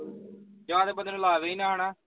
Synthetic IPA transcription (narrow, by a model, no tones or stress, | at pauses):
d͡ʒaːd̪ebəd̪nũːlaːʋeːiːnãːɦɳaː